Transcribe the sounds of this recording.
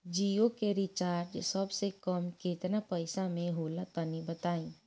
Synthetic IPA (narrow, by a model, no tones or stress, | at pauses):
d͡ʒiːjokeɾɪt͡ʃaːɾd͡ʒsəbsekəmkeːt̪napəɪsamẽɦoːlat̪ənibət̪aːĩː